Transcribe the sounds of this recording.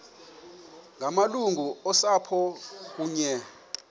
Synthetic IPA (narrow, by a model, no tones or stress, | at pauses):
ŋʱamaluŋʱuɔsapʰɔk̬uːɲɛ